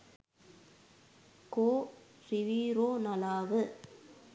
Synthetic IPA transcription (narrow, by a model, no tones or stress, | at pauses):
koː | sɪʋiːɾoːnɐlaːʋɯ